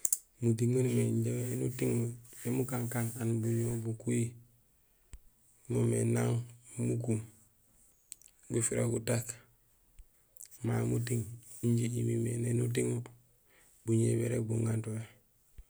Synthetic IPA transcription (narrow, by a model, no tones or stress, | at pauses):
mutiŋonmeɲɟeenutiŋmudemukaŋkananbuɲobukui | momḛnaŋmukum | ɡufiɾḛɡutak | mamutiŋiɲɟiimimenenut̬iŋu | buɲḛbeɾḛk̚buŋɡantoe